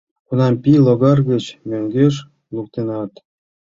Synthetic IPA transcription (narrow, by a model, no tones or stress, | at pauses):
kunɑmpiloɣɑrɣĕt͡ɕmøŋɡeʃ | luk̚t̪enɑt̪